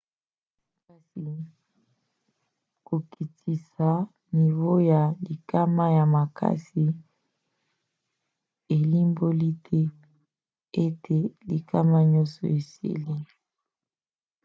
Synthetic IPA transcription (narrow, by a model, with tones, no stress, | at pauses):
ka˨si˨ | ko˨ki˨tʰi˨sa˨ | ni˨βo˦ja˨li˨ka˦ma˦ja˨ma˨kʰa̰˦si˨ | e˨li˦mbo˦li˦tʰe˦ | e˦tʰe˨li˨kʰa˦ma˦ɲɔ˦sɔ̰˨e˨sḛ˦˨le˦